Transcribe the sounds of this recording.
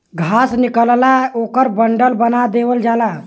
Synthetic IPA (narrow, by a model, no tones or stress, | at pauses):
ɡʱasnikəllaokəɾbəɳɖəlbənad̪eʋəld͡ʒala